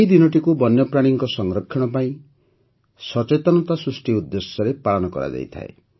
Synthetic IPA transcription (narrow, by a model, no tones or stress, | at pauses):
eid̪inɔʈikubɔnjɔpɾaɽ̃iŋkɔsɔŋɾɔkʰːjɔɽ̃ɔpaĩ | sɔt͡ʃet̪ɔnɔt̪asɾusʈiud̪ːesjɔɾepaɭɔnɔkɔ̰ɾa̰d͡ʒa̰jt̪ʰa̰e